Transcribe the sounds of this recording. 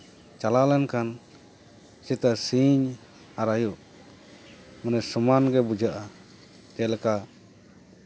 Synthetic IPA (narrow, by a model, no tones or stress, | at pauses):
t͡ʃalalɛnkan | sit̪asiɲ | aɾajuʔ | manɛsumanɡɛbud͡ʒaʔa | t̪ɛlɛka